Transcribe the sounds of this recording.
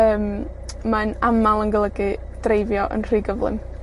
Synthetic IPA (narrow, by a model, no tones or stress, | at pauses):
əːmmanamalˠəŋɡəlˠəɡɨ | d̥rejvjɔʔə̰nr̥iːɡəvlˠɪ̰m